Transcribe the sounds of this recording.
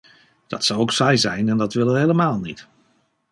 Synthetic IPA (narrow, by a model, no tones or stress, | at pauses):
d̥ɑ̰tsɑwowksɛjzɛjnɛndɑtʋɪlənɦejləmaːlˠnḭt